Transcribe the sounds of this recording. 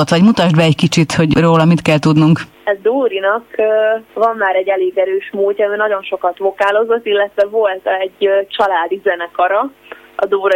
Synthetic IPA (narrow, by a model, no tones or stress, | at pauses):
ot̪sɒɛɟmut̪aʒd̪bɛɛckit͡ʃit̪ho̞ɟroːlɒmit̪kɛlt̪ud̪nuŋk | ɛzd̪uːɾinɒkøvɒmːaːɾɛɟːɛleːɡɛɾøːʃmuːlcʲːɒmiːnɒɟo̞nʃo̞kɒt̪ʋo̞kaːlo̞zot̪ːilːɛt̪ʋɛvo̞lt̪ɛɟt͡ʃɒlaːd̪izɛnɛkɒɾɒɒd̪uːɾ